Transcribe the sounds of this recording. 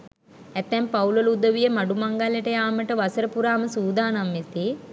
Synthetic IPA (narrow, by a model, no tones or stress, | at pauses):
ɛt̪ːɛmpawulolud̪əʋijəmaɖumaŋɡaləʈəjaːməʈəʋasəɾəpuɾaːməsuːd̪aːnamːit̪i